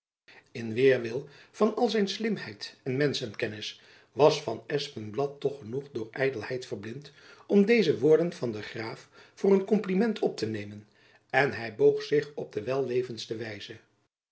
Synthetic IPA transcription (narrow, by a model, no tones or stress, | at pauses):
ɪnʋɪːɹʋɪlˠv̥ɑnɑlˠzɛjnslɪmɦɛjtɛnmɛnsənkɛnɪs | ʋɑsfɑnɛspənblɑtːɔχənuχdʊːɹʔɛjdəlˠɛjtfərblɪnt | ɔmdejzəʋʊːɹdənv̥ɑndəχraːfvʊːrənkɔmplimɛntʰɔp̚tənejmən | ɛnɦɛjbowχsɪχɔb̚dəʋɛlˠʋejvənstəʋɛjz̥ə